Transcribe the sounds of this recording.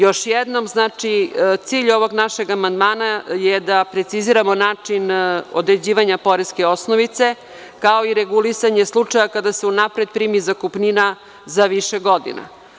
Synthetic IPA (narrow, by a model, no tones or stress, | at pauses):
jo̞ʃjed̪no̞mznaːt͡ʂit̪siːʎo̞ʋo̞ɡnaʃe̞ɡamand̪maːnajed̪apɾet̪siziɾamo̞naːt͡ʂino̰d̪ɾe̞d͡ʑiːʋaɲapo̞ɾeskeo̞snoʋit̪se̞ | kao̞iɾeɡulisaɲeslˠut͡ʂajakad̪aseunapɾed̪̚pɾiːmizakupnina | zaʋiʃeɡo̞d̪ḭna̰